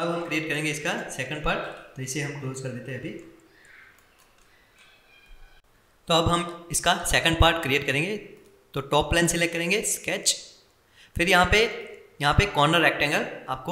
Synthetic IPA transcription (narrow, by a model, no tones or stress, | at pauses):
ɐbɦɐ̃mkɾieːʈ̚kɐɾẽːŋɡeɪskasɛːkə̃ɳɖ̚paːɾʈ̪ɪseɦɐ̃mkloːzkɐɾd̪eːt̪eɦɛ̃ɐbʱi | t̪oɐbɦɐmɪskasɛkə̃ɳɖpaːɾʈkɾieːʈkɐɾẽːŋɡe | t̪oʈɔːpːlɛ̃ːnsɪlɛk̚kːɐɾẽːŋɡeskɛːt͡ʃ | fʰɪɾjɐɦãpejɐɦãpekɔːɾnəɾɛːk̚ʈɛ̃ŋɡəɾaːp̚ko